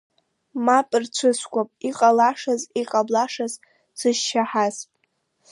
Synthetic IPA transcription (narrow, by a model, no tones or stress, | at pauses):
mapʼɨrt͡ʃʷʰɨskʷʰʼapʼiqʼalaʂaziqʼablaʂaz | sɨʃːaħazʼ